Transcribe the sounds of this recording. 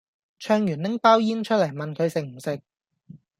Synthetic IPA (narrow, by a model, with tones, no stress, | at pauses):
t͡ʃʰœː˧ŋjyː˨˩nnɪ˥ŋpaː˥wjiː˥nt͡ʃʰɵ˥t̚lɐ˨˩jmɐ˨nkʰɵ˨˧ɥsɪ˨k̚m̩˨˩sɪ˨k̚